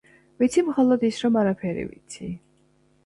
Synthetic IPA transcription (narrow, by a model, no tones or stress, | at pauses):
vit̪sʰimχɔlˠɔd̪isɾɔmaɾapʰɛɾḭvḭt̪sʰi